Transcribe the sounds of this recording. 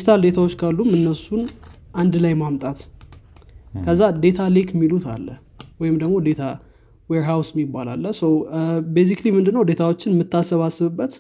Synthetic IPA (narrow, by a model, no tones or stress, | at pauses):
ʃɪ̥t̪ʰald̪e̞t̪ʰawot͡ʃːkʰalːumɨnːəsunʔand̪lajmamt̪ʼat̪ | kʰəzːad̪e̞t̪ʰalekmːilut̪ʰa̰lːə | wɔjɪmd̪əɡmo̞d̪e̞t̪ʰa | weɹɦawsɪmːibːala̰lːəsəwbes̬iklimɨnd̪ɨnːəwd̪e̞t̪ʰawot͡ʃːɪnmɨt̪ːasːəβasɨβɨbːət̪